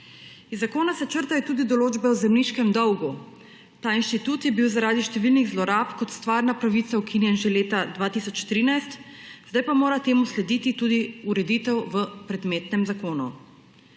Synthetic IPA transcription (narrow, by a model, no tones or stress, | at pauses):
izːakoːnasɛt͡ʃəɾt̪ajɔt̪uːd̪id̪ɔloːd͡ʒbɛwzɛmniʃkɛmd̪ɔwɡu | t̪aːinʃt̪it̪ut̪jɛbiwzaɾaːd̪iʃt̪ɛʋilniɣzlɔɾaːpkɔt̪st̪ʋaːɾnapɾaʋit̪saukʰinjɛnʒɛleːt̪ad̪ʋaːt̪isɔt͡ʃt̪ɾiːnajst̪zd̪ajpamoːɾat̪eːmuslɛd̪iːt̪it̪uːd̪iuɾɛd̪iːt̪ɛwʋəpɾɛd̪meːt̪nɛmzakoːnu